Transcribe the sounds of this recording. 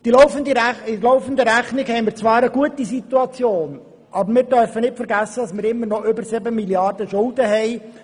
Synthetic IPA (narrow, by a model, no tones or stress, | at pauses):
d̪̥ilɔʊfənd̪əɪlɔʊfən̩d̪əɾæχnɪkhɛɪmɪːɾt͡sʋɑːɾəɡuət̪isit̪uɑt͡sjoːn | ʔɑbəɾmɪːɾdœɾfənɪtfəɾɡæsːədɑsmɪːɾɪmːəɾnɔʔʏbəɾsɪbəmiljɑrdəʃʊlˠd̪əɦɛɪ